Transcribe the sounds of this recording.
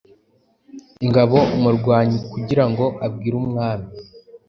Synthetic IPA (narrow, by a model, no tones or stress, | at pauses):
iŋɡaβo̞muɾɡwaːɲikuɟiɾaŋɡo̞ʔab̚ɡiːɾuːmŋaːmi